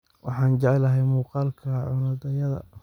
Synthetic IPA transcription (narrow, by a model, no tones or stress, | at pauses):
wʔɑ̰ħɑːnt͡ʃɛʕɛlɐɦɛjmuːqɑːlkʰɐʕʊnɐd̪ɐjɐðɐ̰